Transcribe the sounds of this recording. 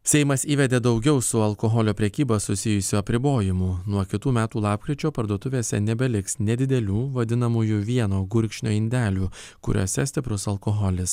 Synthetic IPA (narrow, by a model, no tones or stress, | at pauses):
sʲɛɪmɐsiːʋʲɛd̪ʲeːd̪ɒʊɡʲɛʊsʊɐlˠkoɦɔlʲoːpʲɾʲɛkʲiːbɐsʊsʲɪjʊsʲuɐpʲɾʲɪboːjɪmʊnuɔkʲɪt̪uːmʲæːt̪uːlˠɑːpkɾʲɪt͡ʃʲoːpɐɾd̪uɔt̪ʊʋʲeːsʲɛ̰nʲɛbʲɛlʲɪksnʲɛd̪ʲɪd̪ʲɛlʲuːʋɐd̪ʲɪnɐmuːjuʋʲiɛnoːɡʊɾʲkʃʲnʲo̰ːɪnʲd̪ʲæːlʲuːkʊ̰ɾʲʔo̰ːsʲɛsʲt̪ʲɪpɾʊsɐlˠkoɦɔlʲɪs